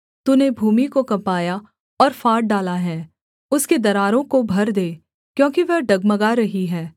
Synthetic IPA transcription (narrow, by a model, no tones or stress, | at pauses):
t̪unebʱuːmikokɐpaːja | ɔːɾfaːɾʈ̚ɖaːlaɦɛː | ʊsked̪ɐɾaːɾõkobʱɐɾd̪eː | kjõːkiʋɛɦɖɐɡmɐɡaɾɐɦiɦɛː